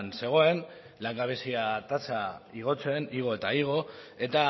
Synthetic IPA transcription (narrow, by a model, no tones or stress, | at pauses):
nse̞ɣ̞o̞e̞n | laŋɡaβe̞siat̪at͡saiɣ̞o̞t͡se̞niɣ̞o̞e̞t̪aiɣ̞o̞e̞t̪a